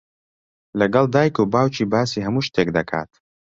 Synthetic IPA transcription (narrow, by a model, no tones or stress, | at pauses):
lɐɡɐlˠd̪aːjkubaːwt͡ʃiːbaːsiːɦɐmuːʃt̪eːk̚d̪ɐkʰa̰ːt̪